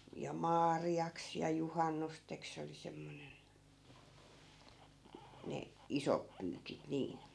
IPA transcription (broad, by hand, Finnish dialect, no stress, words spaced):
jɑ mɑːriɑks jɑ juhɑnːusteks se oli semːonen ne isop pyːkit niːn